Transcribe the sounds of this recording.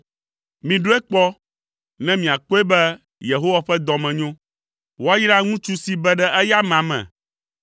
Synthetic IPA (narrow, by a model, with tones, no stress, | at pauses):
mĩ˨ɖo˦ɛ˦k͡pɔ˦ | nɛ̃˦mĩ˨a˨k͡po˦e˦bɛ˦ | je˨ɦo˦wa˨ɸɛ˦d̪ɔ̃˨mɛ̃˨ɲõ˦ | wo˦a˦ji˦ɖa˦ŋũ˦t͡ʃu˦si˦bɛ˦ɖɛ˦ʔɛ˦ja˦mã˨mɛ̰̃˨